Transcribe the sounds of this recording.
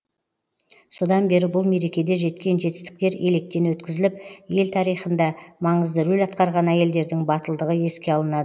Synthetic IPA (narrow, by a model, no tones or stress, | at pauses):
sod̪ɑnbe̞ɾɪbʊlˠme̞ɾe̞kʲe̞d̪e̞ʒe̞t̪kʲe̞nʒe̞t̪ɪ̥st̪ɪ̥k̚t̪e̞ɾe̞lek̚t̪e̞nwɵt̪kʲɪzɪlɪp̚je̞lt̪ʰɑɾijχənd̪ɑmɑɴəzd̪əɾɵlʲɑt̪qɑɾʁɑnæje̞ld̪e̞ɾd̪ɪŋbɑt̪əlˠd̪əʁəe̞skʲe̞ɑlˠənɑd̪ə